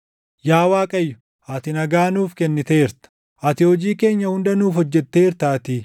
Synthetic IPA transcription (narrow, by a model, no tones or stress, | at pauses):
jaːwaːkʼɐjːʊ̥ | ɐt̪ɪnɐɡaːnuːfkɛnːɪt̪ɐeːɾt̪ɐ̥ | ʔɐt̪ɪhɔd͡ʒiːke̞ːɲːɐhʊnd̪ɐnuːfɔd͡ʒːɛt̪ːe̞ːɾt̪aːt̪ɪ